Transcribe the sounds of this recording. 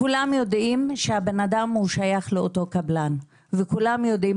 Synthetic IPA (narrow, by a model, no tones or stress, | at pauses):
kulamjo̞dʔimʃehabe̞nadamhuʃajaχleoto̞kablan | vekulamjo̞di